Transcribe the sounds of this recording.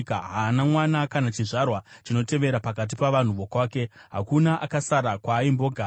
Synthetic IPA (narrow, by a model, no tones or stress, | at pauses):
kaɦaːnamwanakanat͡ʃiʐarwat͡ʃino̞te̞ʋe̞ɾapakat̬ipaʋan̤uʋo̞kwaːke̞ɦa̰kunaʔakasaɾakwaːimbo̞ːɡʱa